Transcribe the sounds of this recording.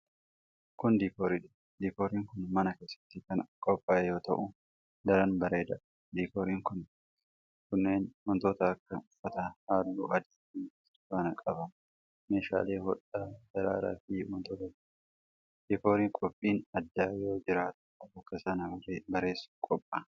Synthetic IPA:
kʊnd̪iːkoːɾiᶑɐ̥ | d̪iːkoːɾiːŋkʊnmɐnɐke̞ːsːɐ̥t̪ːɪkɐnkʼɔpʼːaːjo̞ːt̪ɐʔʊ | d̪ɐɾɐnbɐɾe̞ːd̪ɐ | d̪iːkoːɾiːŋkʊn | kʊnːe̞ːnwɔnt̪oːt̪ɐːkːɐʊfːɐt̪ɐhaːlːuːɐd̪iːt̪ːi | ʊfaːnɐkʼɐbɐ | me̞ːʃa̰ːleːhɔᶑɐd͡ʒɐɾa̰ːɾa̰ːfɪwɔnt̪oːt̪ɐ | d̪̥iːko̞ːɾiːŋkʼɔpʼːiːnɐd̪ːaːjo̞ːd͡ʒɪɾaːt̪ʊ̥ɐbɐkːɐsɐnɐbɐɾebɐɾe̞ːsːʊ̥kʼɔpʼːɐ

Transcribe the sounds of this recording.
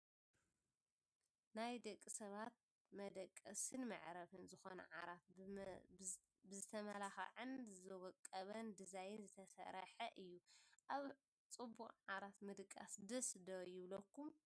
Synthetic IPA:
najd̪ɐkʼːisɐβat̪̚ | mɐd̪ɐkʼːɐsɨnmɐ̰ʕɾɐβɨnzɨxo̞nɐ̰ʕaɾat̪̚ | bɨzɨt̪ʰɐmɐlaxɐ̰ʕɨnzzɨwɔkʼːɐβɐnd̪ɨzajɪnzɨt̪ʰɐsɐ̰ɾɐħɐʔɨjːuʔaβ | t͡sʼɨbːuχʼʕaɾat̪mɨd̪kʼːa̰sd̪ɐsd̪ojɪβlɐkʰːum

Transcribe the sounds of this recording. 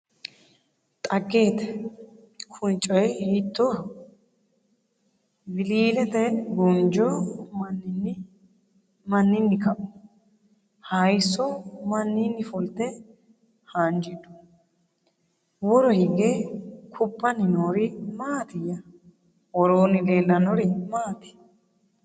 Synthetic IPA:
t̪ʼɐɡːe̞ːt̪ɛ̥ | kʰʊnt͡ʃʼːɔjhɪt̪ːɔ | bɪliːlɛt̪ɛɡɔnd͡ʒɔmɐnːn | mɐnːɪnːɪkɐʔɔ | hɐjsːɔmɐnːinːɪfɔlt̪ɛ | hand͡ʒɪd̪ʊ̥ | wɔɾɔhɪɡekʰʊpːɐnɪnoːɾɪmaːt̪ɪjɐ | wɔɾoːnɪleːlːɐnɔɾɪmaːt̪ɪ̥

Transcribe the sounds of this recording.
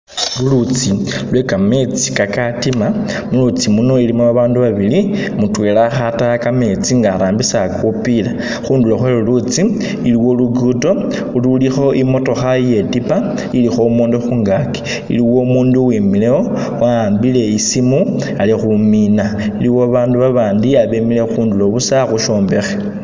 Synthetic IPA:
lulut͡silwekame̞t͡si̥kakatima | mulut͡simuno̞ilimuβaβaːnduβaβilimutwe̞ːlaxatakame̞t͡siŋɡaːɾaːmbisakupila | xuːnduloxwelulut͡si | iliwo̞luɡuto̞ | ululixo̞ʔimo̞to̞xaje̞tipa | ilixo̞umoːndoxuːŋɡaki̥ | ḭliwo̞umuːnduwimileo̞ | waːmbile̞isimu | alixuminailiwoβaːnduβaβaːndiaβemile̞xuːnduloβusaxuʃo̞ːmbe̞xe̥

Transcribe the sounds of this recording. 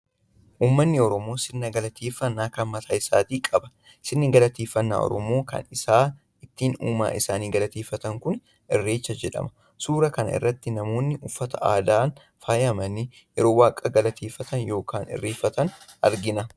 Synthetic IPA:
ʔuːmːɐnːɪɔɾɔmo̞ːsɪnːɐɡɐlɐt̪ʰeːfːɐnːaːkɐnmɐt̪ʰaːɪsaːt̪iːkʼɐbɐ̥ | sɪnːɪɡɐlɐt̪eːfːɐnːa̰ːɔ̰ɾɔ̰mo̞ːkɐ̰nɪsaː | ɪt̪ːiːnuːma̰ːʔɪsaːniːɡɐlɐt̪eːfːɐt̪ɐŋkʊn | ɪrːe̞ːt͡ʃːɐd͡ʒɛᶑɐ̰mɐ̥ | suːɾɐkɐnɐʔɪ̰rːɐt̪ːɪnɐmo̞ːnːɪʔʊfːɐt̪ʰɐʔaːd̪aːn | faːjɐmɐni | jɛɾo̞ːwaːkʼːɐɡɐlɐt̪ʰeːfːɐt̪ʰɐnjo̞ːkaːnɪ̰rːeːfːɐt̪ɐnʔɐ̰ɾɡɪnɐ

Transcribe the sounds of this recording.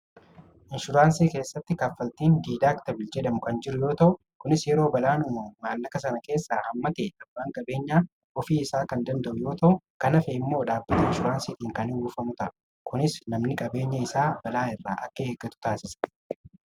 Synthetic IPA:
ʔɪnʃʊɾaːnsiːke̞ːsːɐt̪ːɪkafːɐlt̪iːnd̪iːd̪aːkt̪ɐbɪld͡ʒɛdɐmʊkɐnd͡ʒɪɾʊjo̞ːt̪ɐʔʊ | kʊnɪsjɛɾo̞ːbɐlaːnʊmɐmaːlːɐkɐsɐnɐke̞ːsːaːhɐmːɐt̪eːᶑɐbːaːŋkʼɐbe̞ːɲːaː | ʔɔfiːɪsaːkɐnd̪ɐnd̪ɐʔʊjo̞ːt̪ɐʔʊkɐnɐfɛɪmːo̞ːᶑaːbːɐt̪ɐɪnʃʊɾaːnsiːt̪iːŋkɐnɪuːfɐmʊt̪ɐʔ | kʊnɪsnɐmnɪkʼɐbe̞ːɲːɐɪsaːbɐlaːɪrːa̰ːʔɐkːɐeːɡːɐt̪ʊ̥t̪aːsɪsɐ̥

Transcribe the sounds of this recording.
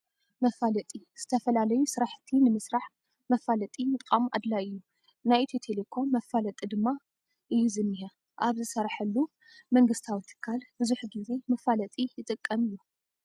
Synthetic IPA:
mɐfalɐt̪ʼiz̥ɨt̪ʰɐfɐlalɐjusɨɾaħt̪ʰinɨmɨsɾaħ | mɐfalɐt̪ʼimɨt̪ʼkʼamuʔa̰d̪laɨjːu | najt̪ʰit̪ʰelekʰo̞mːɐfːalɐt̪ʼid̪ɨmːa | ʔɨjːuzɨmːiɦɐ | ʔaβzɨsɐɾħɐlːu | mɐŋɡɨst̪ʰawit̪ʰɨ̥kʰːalbɨzuħɡize̞mɐfalɐt̪ʼijɪt̪ʼɨkʼːɐmɨjːu

